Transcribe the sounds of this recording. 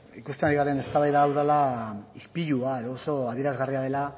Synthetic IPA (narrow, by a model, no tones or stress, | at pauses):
ikust̪enaɾiɣaɾe̞ne̞st̪aβajðaːwðalaispiʎuae̞ðo̞ːso̞aðieɾazɣariaðe̞la